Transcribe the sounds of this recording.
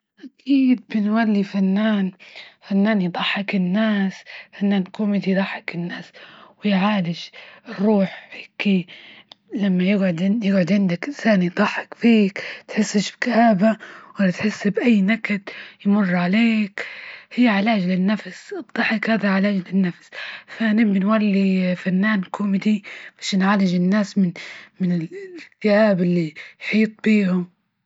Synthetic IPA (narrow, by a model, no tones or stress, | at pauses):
ʔakʰiːd̪̚bɪnwalːifanːaːnfanːaːnjd̪ˤɑħːɪkɪnːaːsfanːaːnkoːmid̪ijd̪ˤɑħːɪkɪnːaːswɪjʕaːlɪʃrˤːuːħheːki | lamːajɪɡʕʊd̪jɪɡʕʊd̪ʕɪnd̪akʔɪnsaːnjd̪ˤɑħːɪkfiːkt̪ħɪsːɪʃbkaːbawalat̪ħɪsːbʔajːnakad̪jmʊrˤːʕaleːkhijːʕɪlaːd͡ʒlɪnːafsʔɨd̪ˤːɑħɪkhaːðaʕɪlaːd͡ʒlɪnːafsfanɪːɪnwalːifanːaːnkʰʊmɪd̪ibaʃnʕalɪd͡ʒɪnːaːsmɪnmɪnɪlkt̪ɪjaːbɪlːijħiːt̪ˤbiːhʊm